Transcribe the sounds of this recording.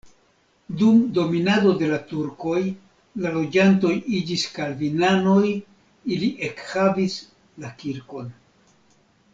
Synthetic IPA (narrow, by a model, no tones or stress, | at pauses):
dumdo̞minado̞de̞latuɾko̞j | lalo̞d͡ʒanto̞jid͡ʒiskalvinano̞j | iliʔe̞khavis | lakiɾko̞n